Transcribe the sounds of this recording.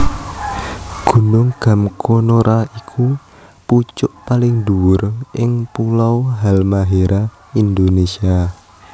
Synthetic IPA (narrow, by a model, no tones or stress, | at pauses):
ɡ̥ṳnʊŋɡ̥a̤mkʰonoɾʔaikʰu | put͡ʃʊʔpalɪŋduwʊrʔɪŋpulawɦalmaɦeɾʔa | ind̪onesia